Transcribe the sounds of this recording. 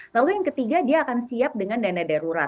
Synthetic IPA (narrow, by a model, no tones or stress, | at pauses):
lalujaŋkət̪iɡadiaːkansiap̚dəŋandanadaɾuɾa